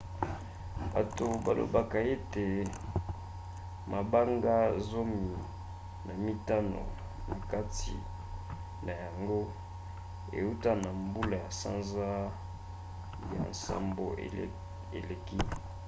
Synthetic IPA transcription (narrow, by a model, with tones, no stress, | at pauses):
ba˨to˨ba˨lo̰˨ba˨ka˨e˦te˨ | ma˨ba˦ŋɡa˦zo˦mi˨ | na˨mi˦ta˦no̰˨ | na˨ka˦tḭ˨ | na˨ja˨ŋɡo˦ | ḛ˨u˦ta˦na˨mbu˦la˨ja˨sa̰˦nza˦ | ja̰˨nsa̰˦mbo̰˨ | ḛ˨le˨ki˦